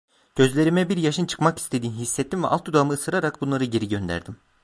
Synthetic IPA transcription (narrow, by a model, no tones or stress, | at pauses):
ɟ̥ø̞zlʲe̞ɾimɛbiɾjaʃɯnt͡ʃʰɯ̥kmaki̥st̪ʰe̞d̪iːnɦisːɛt̪ʰːimvɛ̰ʔalˠt̪ʰːud̪aamɯːsɯɾaɾakbunlˠaɾɯɟe̞ɾiɟø̞nd̪æ̰ɾd̪im